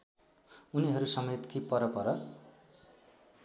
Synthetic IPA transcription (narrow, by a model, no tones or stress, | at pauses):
uniɦʌɾusʌmet̪kipʌɾʌpʌɾʌ